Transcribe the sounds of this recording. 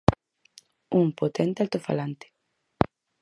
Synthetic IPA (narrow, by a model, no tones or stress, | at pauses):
umpot̪ɛnt̪ealt̪ofa̰lant̪e̥